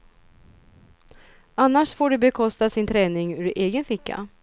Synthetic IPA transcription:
anːaʂfoːɖɛbɛkʰɔst̪asɪnt̪ʰɾɛːnɪŋʉːɾeːɡənfɪkːa̰

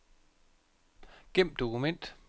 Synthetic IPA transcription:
ɡ̥em̰d̥o̝kumen̰d̥

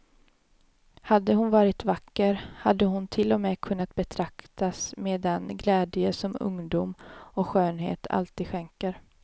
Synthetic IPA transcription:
had̪ːəhʊnvɑːɾɪt̪vakːəɾhad̪ːəɦʊnt̪ʰɪlːɔmɛːkʰɵnːat̪̚bɛt̪ʰɾakt̪asmeːd̪ɛnɡlɛːd̪jəsɔmɵ̰ŋd̪uːmɔɧøːnɦḛːt̪ʰa̰lt̪iːd̪ɧɛŋkəɾ

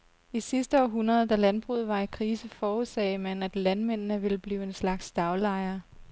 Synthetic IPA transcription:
isisd̥əɒɦunʁɐð̞ˠd̥ælænb̥ʁṵð̩ˠʋɑ̈ikʰʁiːsəfɒːuðˠsɛ̰ɪmænæd̥lænmen̰nəʋe̝lb̥liːʊe̝nslɑ̈ɡ̥sd̥ɑ̈ʊlɑ̈ɪ̰ɐ

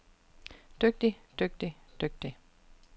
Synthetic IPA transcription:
d̥øɡ̥̚d̥id̥øɡ̥̚d̥id̥øɡ̥̚d̥i

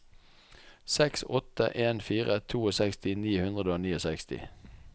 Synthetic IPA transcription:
sɛksɔt̪ə̰ʔeːnfiːʁət̪ʰuːoːsɛkst̪ɪniːhʉnʁəd̪əoːniːosɛkst̪ɪ̰

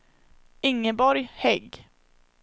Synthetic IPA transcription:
ɪŋːəbɔɾjhɛɡː

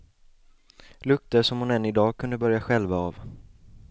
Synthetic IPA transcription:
lɵk̚t̪əʂɔmhʊnɛnːɪd̪ɑːɡ̚kʰɵnd̪əbœɾjaɧɛlvaav

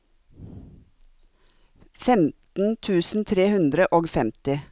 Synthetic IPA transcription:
fɛmt̪n̩t̪ʰʉːsn̩t̪ʰɾeːhʉnd̪ɾəʔoːɡfɛmt̪ɪ

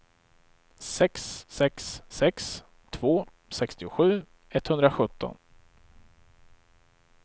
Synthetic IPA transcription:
sɛksːɛksːɛks | t̪ʰv̥oː | sɛkst̪ɪʊɧʉ̟ː | ɛt̪hɵnd̪ɾaɧɵt̪ʰːɔ̰n

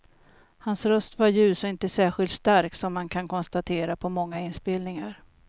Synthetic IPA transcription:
hansɾœst̪vaɾjʉ̟ːsɔɪnt̪əsæːɧɪlt̪st̪aɾktsɔmːankʰankʰɔnst̪at̪ʰeːɾapʰɔmɔŋːaɪnːspelnɪŋaɾ

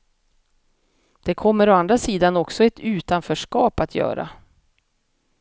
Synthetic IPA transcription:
d̪̥ɛkʰɔmːəɾoand̪ɾasiːd̪anɔksɔɛt̪ʰʉ̟ːt̪anfœːʂkɑːpat̪ʰjœ̰ːɾa̰

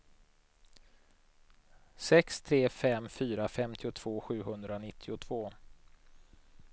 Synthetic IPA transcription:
sɛkst̪ʰɾeːfɛmːfyːɾafɛmt̪ʰɪʊt̪ʰv̥oːɧʉ̟ːɦɵnd̪ɾanɪt̪ʰːɪʊt̪ʰv̥oː

